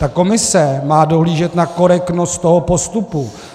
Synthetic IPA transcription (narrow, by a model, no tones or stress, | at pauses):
t̪ako̞mɪsɛmaːdo̞ɦliːʒɛt̪nako̞ɾɛktno̞st̪t̪ːo̞ɦopo̞st̪upu